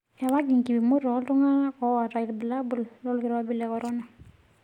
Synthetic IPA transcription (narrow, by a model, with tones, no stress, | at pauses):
a˨wa˦ɡi˨ŋki˨bi˨mu˦ɾɔ˨˦ltu˦ŋa˦kɔ˦wa˨ɾa˨i˨lbi˨la˦bu˨llɔ˦lki˨ɾa˦bi˦lɛ˨kɔ˨ɾɔ˦na˨